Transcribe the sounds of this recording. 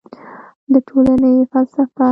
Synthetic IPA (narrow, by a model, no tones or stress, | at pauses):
d̪əʈʰolanəjfalsafa